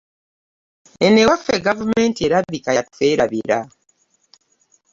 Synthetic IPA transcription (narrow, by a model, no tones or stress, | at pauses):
enewafeɡavumentieɾabikajatfeɾaβiɾa